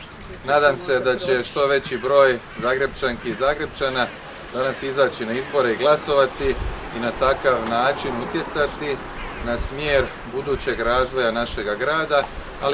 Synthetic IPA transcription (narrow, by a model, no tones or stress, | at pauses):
naːd̪amse̞d̪at͡ɕe̞ʃt̪o̞ʋe̞t͡ɕibɾo̞ːj | zaːɡɾe̞b̚t͡ʃaŋkizaːɡɾe̞b̚t͡ʃaːna | d̪anasizaːt͡ɕinaizbo̞ɾe̞iɡlˠaso̞ʋat̪iːnat̪akaʋnaːt͡ʃinut̪je̞t̪sat̪i | nasmjeːɾ | bud̪uːt͡ɕe̞ɡɾaːzʋo̞janaʃe̞ɡaɡɾaːd̪a | al